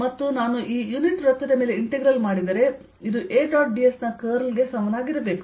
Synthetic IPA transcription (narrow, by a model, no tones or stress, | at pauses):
mɐt̪ːunaːnuʔiːjuniʈɾɐt̪ːɐd̪ɐme̞ːle̞iɳʈeɡɾɐlmaːɽid̪ɐɾe̞ | id̪uʔeːʈaːʈ̚bijesnɐkɐːɾɐlɡe̞sɐmɐnaːɡiɾɐbe̞ːku